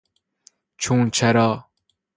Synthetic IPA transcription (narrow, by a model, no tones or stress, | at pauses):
t͡ɕʰũːnt͡ɕʰɐɾaː